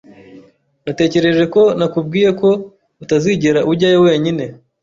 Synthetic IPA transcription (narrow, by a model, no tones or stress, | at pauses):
nate̞ːce̞ɾe̞ʒe̞ko̞nakub̚ɡiːje̞ko̞ | utaziɟeɾaʔuɾɟaːjowe̞ːɲine̞